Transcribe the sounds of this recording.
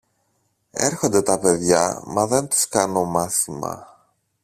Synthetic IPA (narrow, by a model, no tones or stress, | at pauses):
e̞̰ɾxo̞nd̪e̞t̪ɐpe̞ðʝɐ̰mɐðe̞nt̪u̥skɐno̞mɐθimɐ̰